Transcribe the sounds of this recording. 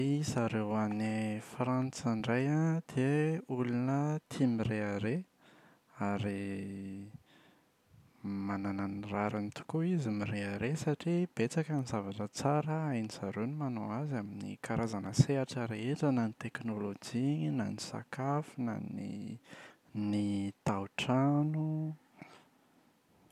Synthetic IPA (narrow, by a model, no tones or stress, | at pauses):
izaɾewanifɾant͡saɳɖ͡ʐajad̪̥eulunət̪ʰimiɾeaɾe | aɾi | manananraɾanit̪u̥kuizimiɾeaɾesaʈ͡ʂib̥et͡sakənizavaʈ͡ʂət͡saɾəajnizaɾunimanoazaminḭkaɾazanəseaʈ͡ʂəɾeeʈ͡ʂənanit̪eknolod͡ʒiɲnanisa̰kafina̰nḭ | nit̪awʈ͡ʂanu